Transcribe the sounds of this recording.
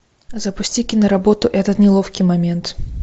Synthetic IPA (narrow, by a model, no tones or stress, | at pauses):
zɐpusʲt͡sʲikʲinɐɾabɔt̪ʊʔɛt̪ɐt̪nʲɛlˠɔfkʲimamʲɛnt̪